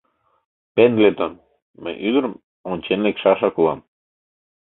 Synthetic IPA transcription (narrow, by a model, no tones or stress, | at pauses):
pend̪let̪on | mə̰jʔyd̪ə̆ɾəm | onʲt͡ɕenlekʃɑʃɑkulɑ̰m